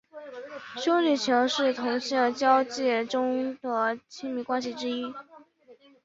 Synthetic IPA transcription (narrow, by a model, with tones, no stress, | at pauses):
ɕjo˥li˥˨˩t͡ɕʰi˧˥ŋʂɻ̩˥˩t̪ʰʊ˧˥ŋɕi˥˨t͡ɕjɑ˥ʊt͡ɕjɛ˥˩ʈ͡ʂʊ˥ŋd̪ə˩t͡ɕʰi˥ŋmi˧˥kwa˥nɕ̬i˨ʈ͡ʂɻ̩˥i˥